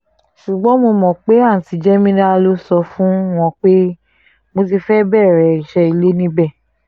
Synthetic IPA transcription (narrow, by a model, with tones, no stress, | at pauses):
ʃu˨ɡ͡bɔ̃˨˦mo˧mɔ̃˨k͡pe˨˦a˦˨n̩˨ti˨˧˦d͡ʒɛ˦mĩ˦ñ˦a˧lo˦sɔ˧fũ˦w̃ɔ̃˧k͡pe˦ | mo˧t̬i˧fɛ˦bɛ˦˨ɾɛ˨i˨ʃɛ˧i˨le˨˦nĩ˦bɛ˦˨